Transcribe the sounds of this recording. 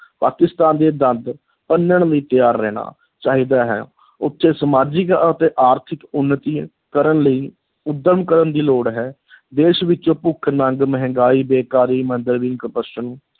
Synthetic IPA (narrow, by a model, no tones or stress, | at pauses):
pa̰ːkɪst̪aːnd̪eːd̪ə̃nd̪ | pənːəɳ̃ləiːt̪ɪjaːɾːɛːɽ̃a̰ː | t͡ʃaːɦiːd̪aːɦɛ̰ː | ʊt̪ʰːeːsəmaːd͡ʒɪkət̪eːʔaːɾt̪ʰɪkʊnːt̪iː | kəɾəɳləiː | ʊd̪ːəɾmkəɾənd̪iːloːɽɦɛː | d̪eːʃʋɪt͡ʃõːpʊkʰnəŋɡməɦə̃ŋɡaːiːbeːkaːɾiːmənd̪əɾʋĩːnkəpəʃənũː